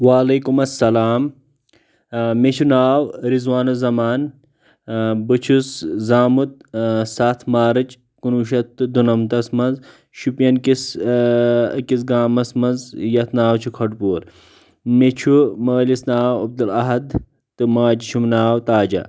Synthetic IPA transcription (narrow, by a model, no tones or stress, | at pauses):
waːlɐːkumɐsːɐlaːm | met͡ʃʰunaːwɾizwaːnɐzɐmaːn | bɨt͡ʃʰuszaːmut̪̚sat̪ʰmaːɾɐt͡ʃ | kunuʃɐt̪ːɨd̪unɐmt̪ɐsmɐnz | ʃupjɐnkis | kisɡaːmɐsmɐnzjɐt̪ʰnaːwt͡ʃʰukʰɐʈpuːɾ | met͡ʃʰumɐːlisnaːwɐb̚d̪ulɐɦɐd̪ | t̪ɨmaːd͡ʒiʃʰumnaːwt̪aːd͡ʒɐ̰